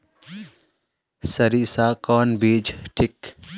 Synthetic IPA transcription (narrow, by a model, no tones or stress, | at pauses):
sɐɾiːsaːkɔːnbiːd͡ʒʈʰɪk